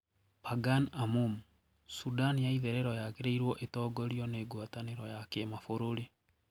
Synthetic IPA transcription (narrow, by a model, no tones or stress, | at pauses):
paɡanamum | sudanjaiðɛɾeɾɔjakeɾeiɾwɔʔetɔɡɔɾjɔneːɡwataneɾɔjakemafoɾoɾe